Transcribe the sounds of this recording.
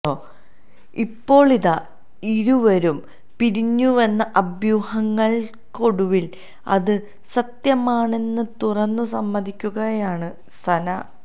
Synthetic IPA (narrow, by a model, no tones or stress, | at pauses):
oː | ipːo̞ːɭiða | iɾuʋɐɾum | piɾiɲːuʋenːɐʔɐbjuːhɐŋːɐɭ | ko̞ɽuʋil | ɐ̰ðɨ | sɐt̪jɐmaːɳe̞nːɨt̪urɐnːɨsɐmːɐd̪ikʲːuɣɐjaːɳɨ | st̪ʰɐnɐ